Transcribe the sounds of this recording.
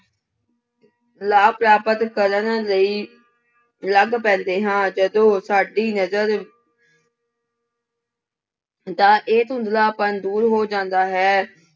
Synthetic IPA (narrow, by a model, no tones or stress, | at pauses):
laːpɾaːpət̪kəɾənləiː | ləɡpɛ̃ːnd̪eːɦãːd͡ʒəd̪õːsaːɖiːnəzəɾ | t̪ãːʔeːt̪ʊ̃nd̪laːpə̃ːd̪uːɾɦoːd͡ʒãːnd̪aːɦɛː